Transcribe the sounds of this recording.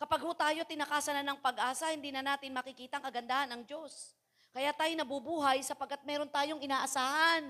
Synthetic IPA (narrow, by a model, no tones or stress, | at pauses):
kɐpaɡ̚hʊt̪aːjo̞t̪ɪnɐkaːsɐnɐnɐŋpɐɡʔaːsɐhɪnd̪iːnɐnaːt̪ɪnmɐkɪkiːt̪ɐŋkɐɡɐnd̪ahɐnɐŋd͡ʒo̞s | kɐjaːt̪aːjonɐbubuːɦɐjsɐpɐɡ̚kːat̪̚mɛːɾo̞nt̪aːjo̞ŋɪnaːʔɐsaːhɐn